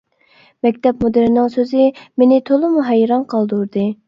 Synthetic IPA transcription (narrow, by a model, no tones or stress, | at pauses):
mɛk̚ʲt̪ɛpmod̪ɨɾnɨŋsøzɪmenɪt̪ʰolˠɨmuɦɛjɾɑnqʰɑlˠd̪uɾd̪ɨ